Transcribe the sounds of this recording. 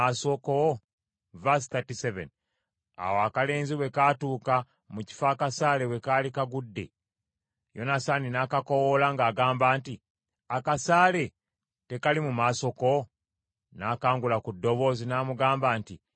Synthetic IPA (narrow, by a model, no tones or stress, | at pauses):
aso̞ko | vas̬θatisevḛn | a̰woakale̞ːnziwe̞kaːtuːka | muci̥faːkasaːle̞we̞kaːlikaɡudːe̞̰ | jo̞̰nasaninaːkako̞wolaŋɡaːɡaːmbaːnti | akasaːle̞ | te̞kalimumaso̞ko | naːkaːŋɡulakudːo̞βo̞ːzinaːmuɡaːmbaːnti